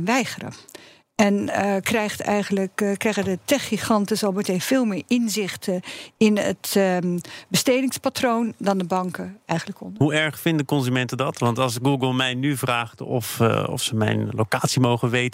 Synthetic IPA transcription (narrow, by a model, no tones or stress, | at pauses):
nʋɛjχərə̰ | ɛnkrɛjχtɛ̰jɣənləkkːrɛjɣədətɛχiχɑntɪsɑlˠbməteːfɪːlˠmɪːɹɪnzɪχtəɪnə̰t | bəsteːdɪŋspatroːndɑndəbɑŋkəɛjɣən̩ləkɔ̰ndɦuɛɹχfɪndəkɔnzymɛntədɑtʋɑntɑlˠsɡuːɡəlˠmɛjnyvraːχtɔ̰fɔ̰fsəmɛ̰jnlokaːtsimowχənʋejt